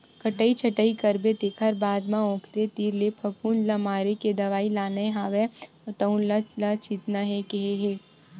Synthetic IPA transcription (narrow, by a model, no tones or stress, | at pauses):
kɐʈəit͡ʃʰɐʈəikɐɾbet̪eːkʰəɾbaːd̪mãɔ̃ːkʰt̪et̪iːɾlepʰɐpʰuːnlɐmaːɾeked̪ɐʋaːilaːneɦaːʋɛ | t̪ɐũnlalat͡ʃit̪naɦekeɦeɦeː